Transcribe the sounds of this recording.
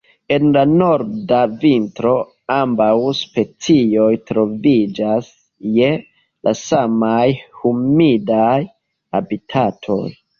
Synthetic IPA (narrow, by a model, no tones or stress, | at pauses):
e̞nlano̞ɾdavintɾo̞ | ambawspe̞t͡sio̞jtɾo̞vid͡ʒas | je̞ | lʔasamajhumidaj | abitʰatʰo̞̰j